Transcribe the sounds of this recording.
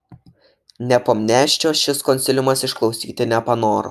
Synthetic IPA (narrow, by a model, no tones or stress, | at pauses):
nʲɛpoːmʲnʲæːʃʲt͡ʃʲoːʃʲɪskɔnʲtsʲɪlʲɪmɐsɪʃklˠɒʊsʲiːt̪ʲɪnʲɛpɐnoːɾʊ̰